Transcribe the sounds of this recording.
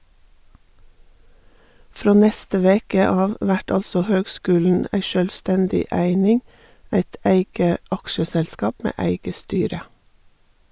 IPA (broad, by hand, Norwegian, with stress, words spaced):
ˈfɾoː ˈnɛstə ˈʋeːkə ˈɑːʋ ˈʋæʈ ˈɑlsɔ ˈhøːɡˌskʉːln̩ ˈæɪ ʃœlʋˈstɛndɪ ˈæɪnɪŋ ˈæɪt ˈʔæɪɡə ˈʔɑkʃəsɛlˌskɑːp ˈmeː ˈæɪɡə ˈstyːɾə